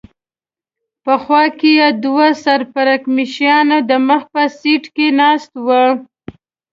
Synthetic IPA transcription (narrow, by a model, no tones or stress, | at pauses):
pəxwɑkejɑd̪wasaɾpaɾakmiʃjɑnad̪əməxpəsiʈkenɑst̪wa